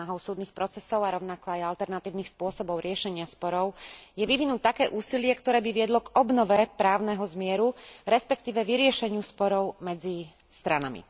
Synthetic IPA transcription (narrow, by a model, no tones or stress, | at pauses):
aɦɔʊsuːd̪nixpɾɔt͡sɛsɔʊaɾɔʊnakɔajalt̪ɛɾnat̪iːʊnixspʊɔsɔbɔʊɾɪɛʃɛɲɪaspɔɾɔʊjɛʋiʋinuːt̪ːakɛːʔuːsilɪɛkt̪ɔɾɛːbiʋɪɛd̪lɔɡɔbnɔʋɛpɾaːʊnɛɦɔzmɪɛɾuɾɛspɛk̚t̪iːʋɛʋiɾɪɛʃɛɲɪuspɔɾɔʊmɛd͡zi | st̪ɾanamḭ